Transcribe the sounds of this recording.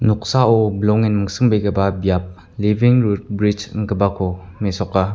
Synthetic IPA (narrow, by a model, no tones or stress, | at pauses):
nɔk̚saʔɔblɔŋinməŋsɯŋbejkəbabjap̚ | liviŋɾut̚bɾit͡ʃnkəbakʰɔmesɔkːa